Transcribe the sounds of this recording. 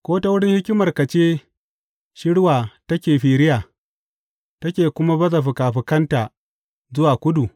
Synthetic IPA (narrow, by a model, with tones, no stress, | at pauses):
kʷoː˦ta˦wʊ˦ɽɪ˦ŋhɪ˦kʲɪ˦mɐ˨rkɐ˨t͡ʃeː˦ | ʃɪ˦ɽwaː˨tɐ˦kʲeː˨ɸiː˨ɾɪ˦jaː˨ | tɐ˦kʲeː˨kʷʊ˦ma˦bɐ˦za˨ɸɪ˨kaː˨ɸɪ˨kɐ˦ntaː˨ | zʊ˦waː˨kʷʊ˦du˨